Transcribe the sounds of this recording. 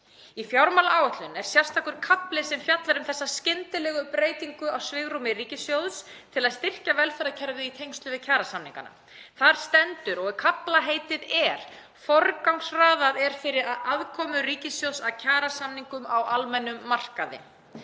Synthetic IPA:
ifjawɾmalaʔaːwɛht̪lʏnɛɾ̥sjɛr̥st̪ʰaːkʏɾ̥kʰaplɪsɛmfjat̪laɾʏmθɛsːascɪnt̪ɪlɛɣʏpɾeːjt̪iŋkʏawsvɪɣɾumɪriːcɪsjowðst̪ʰɪlaðst̪ɪr̥cavɛlfœɾðacʰɛɾvɪðit̪ʰejŋst̪lʏvɪðcʰaːɾasamniŋka̰na̰ | θaɾ̥st̪ɛnt̪ʏɾɔɣkʰaplaɦejt̪ɪðɛɾ̥ | fɔɾkawŋsraːðaðɛɾ̥fɪɾɪɾaðaðkʰɔːmʏriːcɪsjowðsaðcʰaːɾasamniŋkʏmawalmɛnːʏmːar̥kaðɪ̰

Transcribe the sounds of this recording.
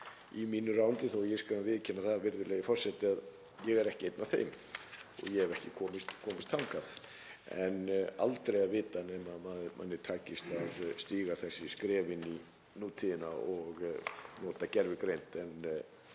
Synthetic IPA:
imiːnʏraːwnt̪ɪθɔjɛskavɪːðcʰɛnːaθaðvɪɾðʏlɛɣɪfɔr̥sɛt̪ɪað | jɛɣɛɾɛhcɪejt̪naθḛjm | ɔ̰ɣjɛɛvɛhcɪkʰɔːmɪst̪kʰɔːmɪst̪ʰaŋkaθ | ɛ̰na̰lt̪ɾejaðvɪːt̪anɛːmaðmaðmʔa̰nːɪt̪ʰaːcɪst̪aðst̪iːɣaθɛsːɪskɾɛːvɪni | nuːt̪ʰɪðɪna̰ɔɣnɔːt̪acɛɾvɪkɾejn̥t̪ɛn

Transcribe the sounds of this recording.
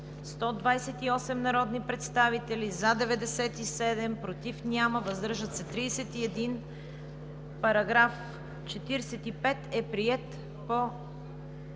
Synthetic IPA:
st̪ɔd̪vajsɛt̪iɔsɛmnɐɾɔd̪nipɾɛt̪st̪avit̪ɛlizad̪ɛvɛd̪ɛsɛt̪isɛd̪ɛmpɾot̪ifnʲaməvəzd̪ɤɾʒət̪sɛt̪ɾijsɛt̪iɛd̪in | pɐɾɐɡɾaf | t͡ʃɛt̪iɾɛsɛt̪ipɛt̪ɛpɾiɛt̪ | po

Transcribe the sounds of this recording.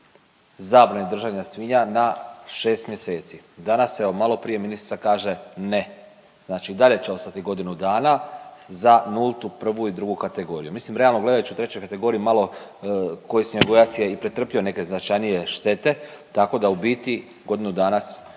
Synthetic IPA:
zaːbɾanid̪r̩ʒaʋɲasʋiːɲanaʃe̞ːst̪mje̞se̞ːt̪sid̪anasːeomalo̞pɾije̞minisi̥t̪sakaːʒe̞ne | znaːt͡ʃiːd̪aʎe̞t͡ɕe̞o̞st̪at̪iɡo̞d̪inud̪aːnazanulˠt̪upr̩ʋuid̪ɾuɡukat̪e̞ɡo̞ɾijumislimɾealˠno̞ɡle̞d̪ajut͡ʃiut̪ɾe̞t͡ɕo̞jkat̪e̞ɡo̞ːɾiimalˠo̞ | ko̞jisoɡojat̪sje̞ipɾet̪ɾr̩pio̞ne̞ke̞znat͡ʃajnije̞ʃt̪e̞t̪e̞t̪ako̞d̪aubiːt̪i | ɡo̞d̪inud̪aːnas

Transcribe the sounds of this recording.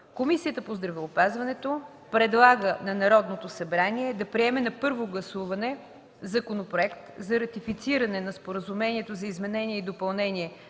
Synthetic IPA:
komisiət̪əpozd̪ɾɐvɛʊpazvɐnɛt̪o | pɾɛd̪lˠaɡənɐnɐɾɔd̪not̪osɐbɾaniɛd̪ɐpɾiɛmɛnɐpɤɾvoɡlˠɐsuvɐnɛ | zɐkonopɾoɛkt̪zɐɾɐt̪ifit̪siɾɐnɛnɐspoɾəzumɛniɛt̪ozɐizmɛnɛniɛid̪opɐlˠnɛniɛ

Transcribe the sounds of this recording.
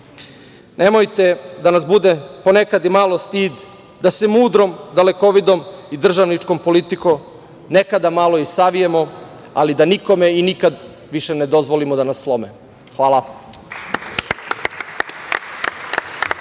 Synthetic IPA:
ne̞mojt̪e̞d̪anas̬bud̪epo̞nekad̪imalo̞st̪iːd̪ | d̪asemuːd̪ɾo̞md̪aleko̞ʋid̪o̞mid̪r̩ʒaʋnit͡ʂko̞mpo̞lit̪iko̞ | ne̞kad̪amalˠo̞isaʋijemo̞ | a̰lid̪aniko̞me̞inikad̪ | ʋiʃe̞ne̞d̪o̞zʋolimod̪anasːlˠo̞mḛ | xʋaːlˠa

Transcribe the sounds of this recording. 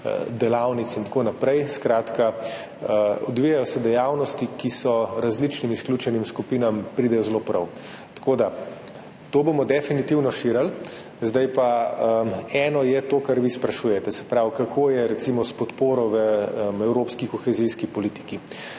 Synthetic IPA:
d̪ɛlawnit̪sint̪akoːnapɾɛjskɾaːt̪ka | əɔd̪ʋijajɔsɛd̪ɛjawnɔst̪ikisɔɾazlit͡ʃnimisklʲuːt͡ʃɛnimskupiːnampɾiːd̪ɛjɔzlopɾɐw | t̪ḁkoːd̪a | t̪oːbomɔd̪ɛfinit̪iwnɔʃiːɾal | zd̪ajpaəɛːnɔjɛt̪oːkaɾʋispɾɐʃujɛt̪ɛsɛ̥pɾaːwkakʰoːjɛɾɛt̪simɔspɔt̪poːɾɔʋəmɛwɾoːpskikɔxɛziskipɔlit̪i̥ki

